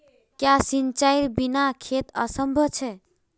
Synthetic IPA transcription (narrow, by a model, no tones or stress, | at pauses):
kjasint͡ʃajɾbinakʰet̪ə̰səmbʱʌt͡ʃʰe